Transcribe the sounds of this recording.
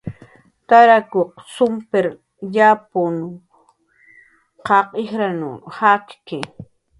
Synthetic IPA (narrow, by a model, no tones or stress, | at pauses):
t̪aɾakoqsʊmpeɾ | japon | qɑqɪxɾanṵhakkɪ